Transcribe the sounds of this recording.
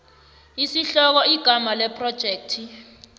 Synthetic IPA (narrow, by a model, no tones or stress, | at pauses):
isiɬɔk̬ɔiɡ̥ʱamalɛpʰrɔd̥ʒ̥ʱeːk̚tʰi